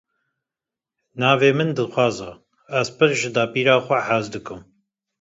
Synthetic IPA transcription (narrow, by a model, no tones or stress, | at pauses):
nɑːveːmɨnd̪ɨxʷɑːza | æzpɨɾʒɨd̪ɑːpiːɾɑːxʷɛħazd̪ɨkɨm